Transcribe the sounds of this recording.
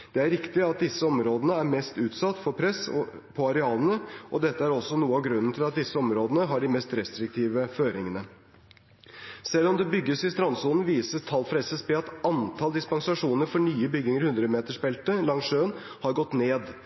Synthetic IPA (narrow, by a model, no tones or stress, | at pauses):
d̪̥ɛæɾɪkt̪ɪɑt̪̚d̪ɪsːəɔmɾoːd̪ənəæɾmɛst̪ʉːt̪sɑt̪ːfɔɾpʰɾɛs | pʰɔɑɾɛɑːlənəʔɔd̪ɛt̪ːəæɾɔsːɔnuːəɑʋɡɾʉnːn̩t̪ʰɪlɑt̪̚d̪ɪsːəɔmɾoːd̪ənəɦɑɖɪmɛst̪ɾɛst̪ɾɪk̚t̪ʰiːʋəføːɾɪŋənə | sɛlːɔmd̪ɛbʏɡːəsɪst̪ɾɑnsuːln̩ʋiːsəst̪ʰɑlfɾɛsəspɛɑt̪ɑnt̪ʰɑːld̪ɪspɑŋsɑʂuːnəɾfɔɳyːəbʏɡɪŋəɾhʉnd̪ɾəmeːt̪əʂpɛlt̪əlɑŋʂøːn | hɑɾɡɔt̪ːneːd̪